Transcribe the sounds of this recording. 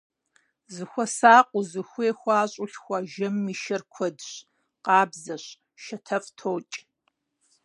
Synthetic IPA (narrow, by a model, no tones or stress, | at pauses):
zɨxʷɔsaːqʷʼʊzɨxʷeːxʷɑːɕʼʊɬxʷɑʒɐmːiːʃɐrkʷʰɔdɕ | qɑːbzɐɕ | ʃɐtʰɐfʼtʰoːt͡ʃʼ